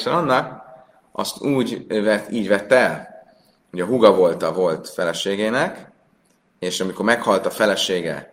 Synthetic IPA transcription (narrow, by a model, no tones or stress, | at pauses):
sɛnɒnːɒk | ɒ̰st̪uːɟvɛt̪iːɟʋɛt̪ːɛɛl | uɟɒɦuɡɒvo̞lt̪ɒvo̞lt̪fɛlɛʃeːɡeːnɛk | eːʃɒmikormɛkhɒlt̪ɒfɛlɛʃeːɡɛ̰